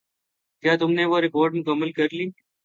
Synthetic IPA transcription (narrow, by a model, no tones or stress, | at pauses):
kjaːt̪ʊmnẽːʋoːɾɪkoːɾɖmʊkəmːəlkəɾliː